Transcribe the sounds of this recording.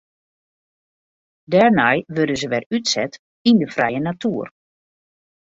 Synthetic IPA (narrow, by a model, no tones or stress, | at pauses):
dɛrnɛjʋødəzəʋɛrytsɛt | indəfrɛ̰jənatʰuər